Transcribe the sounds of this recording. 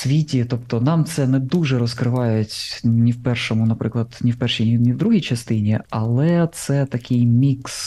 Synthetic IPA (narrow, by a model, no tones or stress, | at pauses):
sʲʋʲitʲit̪ɔpt̪ɔnɑmt̪sɛnɛd̪uʒɛɾɔskɾɪʋɑjʊtʲnʲiwpɛrʃɔmʊnɐpɾɪklˠɐd̪̥nʲiwpɛrʃijnʲinʲiwd̪ɾuɦijt͡ʃɐst̪ɪnʲiɐlˠɛt̪sɛt̪ɐkʲɪjmʲiks